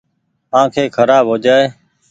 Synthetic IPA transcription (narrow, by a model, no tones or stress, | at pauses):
ãːkʰeːkʰəɾaːbɦoːd͡ʒaːeː